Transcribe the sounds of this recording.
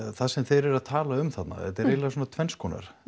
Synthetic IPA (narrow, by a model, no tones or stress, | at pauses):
θaðsɛmθejɾɛɾaðt̪ʰaːlaʏmθat̪na̰ɛ̰t̪ɛɾejlasuɔnat̪ʰvɛnskʰɔːna̰ɾ̥